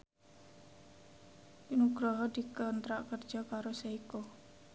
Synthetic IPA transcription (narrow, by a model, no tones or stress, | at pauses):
pinuɡ̥ɾɔɦɔd̪ikənt̪ɾaʔkərd̥d͡ʒ̥ɔkaɾoseiko